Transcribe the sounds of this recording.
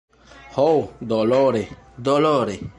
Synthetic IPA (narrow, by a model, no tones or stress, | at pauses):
howd̪ɔlɔɾed̪ɔlɔɾe